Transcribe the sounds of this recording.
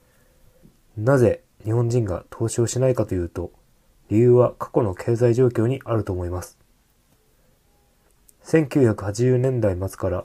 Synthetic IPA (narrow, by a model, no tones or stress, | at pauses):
naze̞ | ɲ̟ihõ̞ɲ̟d͡ʑĩŋɡa̰t̪ʰo̞ːɕo̞ːɕinaikat̪o̞jɯ̟ːt̪o̞ | ɾʲijɯ̟ːβakʰḁko̞no̞kʰe̞ːzaiʑo̞ːkʲo̞ːɲ̟iʔaɾɯ̟t̪o̞ːmo̞imasɨ̥ | sẽ̞ŋkʲɨːçakɯ̟hat͡ɕiʑɨːnẽ̞nd̪aimat͡sɨ̥kaɾa